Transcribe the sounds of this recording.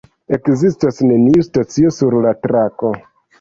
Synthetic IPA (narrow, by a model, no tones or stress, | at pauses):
e̞kzistasne̞niustat͡sio̞suɾlatɾako̞